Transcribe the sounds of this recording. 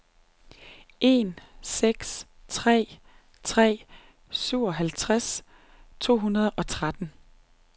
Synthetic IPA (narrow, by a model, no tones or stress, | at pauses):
ʔe̝̰ːnseɡ̥s | t͡sʰʁɛ̰ː | t͡sʰʁɛ̰ː | syʊ̰ɒ̽ɦælt͡sʰʁas | t͡sʰo̝̰ːɦunɐð̞ˠɒ̽t͡sʰʁad̥n̩